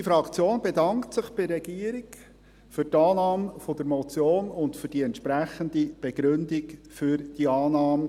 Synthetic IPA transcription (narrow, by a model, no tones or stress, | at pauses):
ifɾɑkt͡sjoːnbedɑŋktsɪχb̥ɪɾːɛɡ̥iːəɾik | fʏɾtɑːnɑːmfɔd̪əɾmɔt͡sjoːnʊntfʏd̥iɛntʃpɾæχənd̪ib̥eɡ̥ɾɵnd̪ik | fʏɾd̥iɑːnɑːmə